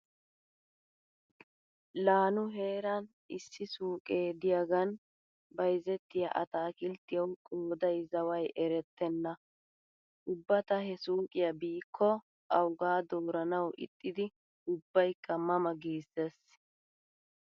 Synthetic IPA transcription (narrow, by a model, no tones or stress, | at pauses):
laːnʊɦe̞ːɾɐn | ɪsːɪsuːkʼeːd̪ɪjɐɡɐn | bɐjzɛt̪ːɪjɐ̰ʔɐ̰t̪aːkɪlt̪ːɪjɐwkʼoːd̪ɐjzɐwɐjʔɛɾɛt̪ːɛnːɐ | ʔʊbːɐt̪ɐhɛsuːkʼɪjɐbiːkʰːɔ | ʔɐwɡaːd̪oːɾɐnɐwʔɪ̰t̪ʼːɪd̪ɪ | ʊbːɐjkʰːɐmɐmɐɡiːsːes